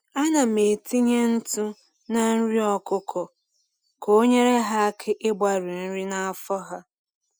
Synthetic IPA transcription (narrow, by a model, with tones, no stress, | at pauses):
a˦na˨me˨ti˦ɲe˦n̩˦tu˦ | na˦n̩˦ɾi˦ɔ˦kʊ˦kʰɔ˨ | kʰo˦ɲe˦ɾe˦ɦa˦kʰɪ˦ʔɪ˦bʷa˨ɾi˨n̩˦ɾi˦na˨a˨fɔ˦ɦa˦